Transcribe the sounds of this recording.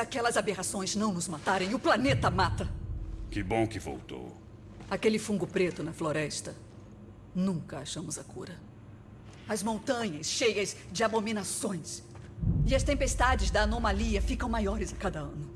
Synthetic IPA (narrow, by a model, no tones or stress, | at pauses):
akɛlɐzabeɣasõj̃znɐ̃w̃nʊzmat̪aɾẽj̃ʊplanet̪ɐmat̪ɐkɪbõw̃kɪvo̰wt̪o̰w | akelɪfũŋɡʊpɾet̪ʊnɐfloɾɛst̪ɐ | nũkɐaʃɐ̃mʊzɐkṵɾɐ | ɐzmõnt̪ɐ̃ɲɐsʃejɐzd͡ʒɪabomĩnasõj̃s | ɪɐst̪ẽmpest̪ad͡ʒɪzd̪ɐːnomaliɐfikɐ̃w̃majɔɾɪzɐkad̪ɐɐ̃nʊ